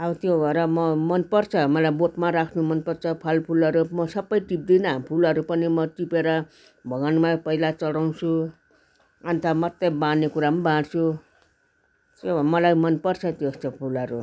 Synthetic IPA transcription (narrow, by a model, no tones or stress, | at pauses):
ʌbʌt̪jobʱʌeɾʌmʌmʌnpʌrt͡sʰʌmʌlajboʈmaɾakʰnumʌnpʌrt͡sʰʌpʰʌlpʰulʌɾumʌsʌbːʌjʈip̚d̪inʌpʰulʌɾupʌnimʌʈipeɾʌ | bʱʌɡanumapʌɦilat͡sʌɽaw̃t͡sʰu | ant̪ʰamʌt̪ːʌbãnekuɾamabãɽt͡sʰu | t̪jomʌlajmʌnpʌrt͡sʰʌt̪jostʌpʰulʌɾu